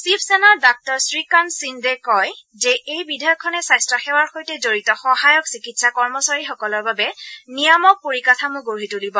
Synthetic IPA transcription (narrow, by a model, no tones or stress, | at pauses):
sipʰsɛnaɹdɔk̚tɔɹsɹikansindɛkɔj | zɛʔejbidʱajɔkʰːɔnɛsajstɹɔxɛwaɹxojtɛzoɹitɔxɔɦajɔksikitsakɔɹmɔsaɹixɔkɔlɔɹbabɛnijamɔk̚poɹikatʰamʊ̃ɡoɹɦitulibɔ